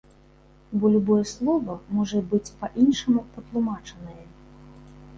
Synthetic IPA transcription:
bɔlʲubɔjɛslˠɔvɐmɔʐɐbɨt͡sʲpɐʔinʂɐmupɐt̪lˠumat͡ʂɐnɐjɛ

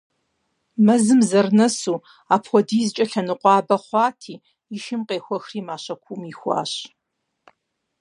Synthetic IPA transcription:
mɐzɨmzɐrnɐsuː | aːpʰxʷɔdiːzt͡ʃʼɐɬɐnɨqʷɑːbɐχʷɑːtʰiː | ɪʃɪmqeːxʷɔxriːmaːɕɐkʷʰumixʷɑ̰ːɕ

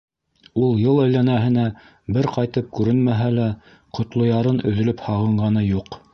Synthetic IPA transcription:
ulˠjɤlˠæjlænæɦɘ̆næ | bɘɾqɑjt̪ɤp̚kʉɾɘnmæɦælæ | qŏt̪lˠŏjɑɾɤnɵ̆ðɵ̆lɵphɑʁɤ̆ɴɢɑnɤjuq

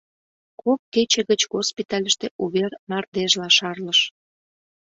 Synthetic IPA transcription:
kop̚ket͡ɕĕɣət͡ɕɣospit̪ɑlʲəʃt̪eʔuβernɑrd̪eʒlɑʃɑrləʃ

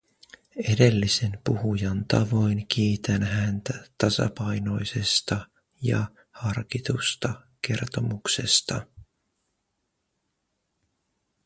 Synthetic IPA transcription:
e̞de̞lːise̞npuhujɑnt̪ɑʋo̞jnk̟ʰiːt̪ænɦænt̪æt̪ɑsɑ̰pɑjno̞jsest̪ɑ | jɑ̰ | hɑrkit̪ust̪ɑke̞rt̪o̞mukse̞st̪ɑ

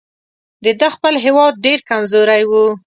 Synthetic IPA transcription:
d̪əd̪əxpəlɦewɑd̪̚ɖeɾkamzoɾajwu

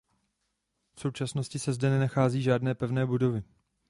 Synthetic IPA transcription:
fso̞wt͡ʃasno̞scɪsɛzdɛnɛnaxaːziːʒaːdnɛːpɛvnɛːbudo̞vɪ

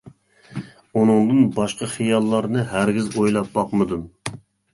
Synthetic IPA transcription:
unɨŋd̪ɨnbɑʃqɑχijɑlˠːɑɾnɨɦæɾɡʲizojlˠɑp̚bɑqmɨd̪um

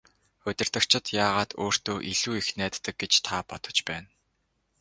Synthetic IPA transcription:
ʊt̪ʲɪ̆r̥t̪ə̆kt͡ɕʰɪ̆t̪jaːʁaːt̪oːr̥t̪oːʔiɮuːixnæːt̪ːə̆k̚ɡet͡ɕt̪ʰapɔt̪ɞ̥̆t͡ɕpæːn

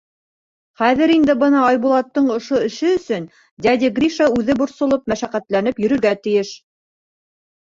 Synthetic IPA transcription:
χæðɘɾind̪ɘbɤnɑɑjβulˠɑt̪ːɤɴŏʃoɘ̆ʃɘɵ̆sɵn | d̪ʲæd̪ʲiɡɾʲiʃɑʉðɘbŏɾsŏlˠop̚mæʃæqæt̪lænɘpjɵ̆ɾɵ̆ɾɡæt̪ɘ̆jɘʃ

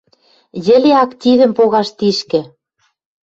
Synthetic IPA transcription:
jɘ̆leɑkt̪ʲiðə̆mpoɣɑʃt̪iʃkɘ̆

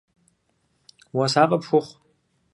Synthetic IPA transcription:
wasaqʼapʰʂʷʊχʷ

